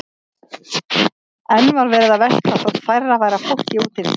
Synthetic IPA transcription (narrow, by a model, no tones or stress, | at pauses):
ɛnːvaɾvɛːɾɪðavɛst̪lawθaðfajravaːjɾafowhcɪuːt̪ɪn